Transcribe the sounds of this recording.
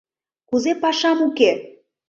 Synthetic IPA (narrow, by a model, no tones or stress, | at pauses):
kuzepɑʃɑmuke